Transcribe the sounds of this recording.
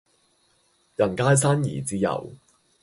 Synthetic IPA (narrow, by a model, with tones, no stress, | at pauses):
jɐ˨˩nkaː˧˥js̬aː˥njḭː˨˩t͡siː˧jɐ̰˨˩w